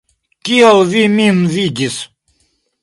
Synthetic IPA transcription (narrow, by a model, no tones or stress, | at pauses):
kʲiɐlˠvimʲinviɡʲis